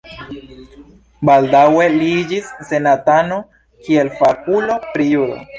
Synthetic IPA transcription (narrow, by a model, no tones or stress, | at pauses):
baldawe̞lid͡ʒisːe̞natano | kie̞lfakulo̞pɾijudo̰